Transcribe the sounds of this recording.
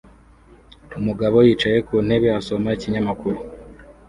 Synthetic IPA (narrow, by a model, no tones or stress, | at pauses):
umuɡaβo̞jiːt͡ʃaje̞kuːn̥he̞βeaso̞maiciɲamakuɾu